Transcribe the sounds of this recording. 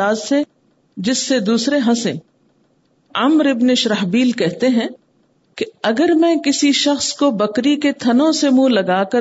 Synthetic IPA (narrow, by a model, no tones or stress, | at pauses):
aːzse | d͡ʒɪsːed̪uːsɾeɦɐ̃sẽ | ɐmɾɪbneʃɾɐɦbiːlkɛɦt̪eɦɛ̃ː | keɐɡəɾmɛ̃ːkɪsiʃɐxskobɐkɾiket̪ʰɐnõsemũlɐɡaːkɐ